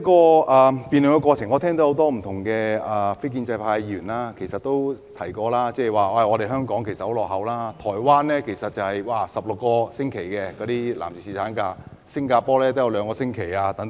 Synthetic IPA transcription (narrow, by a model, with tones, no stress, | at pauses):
kɔː˧ʔaː˨piː˨nlɪ˨ŋkɛ˧kʷwɔː˧t͡sʰɪ˨˩ŋɔː˨˧t̪ʰɛː˥ŋt̪o˨˥ho˨˥wt̪ɔː˥m̩˨˩t̪ʰʊ˨˩ŋkɛː˧aː˨˩fe˥jk̬iː˧nt͡sɐ˧jpʰaː˧jjyː˨˩nlaː˥kʰe˨˩jsɐ˨t̚t̪ːo˥wt̪ʰɐ˨˩jkɔː˧laː˥t͡sɛː˥˩˨waː˨˩wa˧˩ŋɔː˨˧ɾe˨jɦœː˥ŋkɔː˨˥ŋkʰe˨˩jsɐ˨t̚ho˨˥wlɔː˨k̚ɦɐ˨wlaː˥t̪ʰɔː˨˩jwaː˥nɛː˥kʰe˨˩jsɐ˨t̚t͡sɐ˨˩whɐ˨jwaː˨˩sɐ˨p̚lʊ˨kːɔː˧sɪ˥ŋkʰe˨˩jkɛ˧kɔː˨˧t̪iː˥la̰ː˨˩mt͡siː˨siː˨˩tʰaː˨˥nkaː˧ | sɪ˥ŋkaː˧pɔː˥lɛː˥t̪o˥jɐ˧wlœː˨˧ŋkɔː˧sɪ˥ŋkʰe˨˩jaː˧t̪ɐ˨˥ŋt̪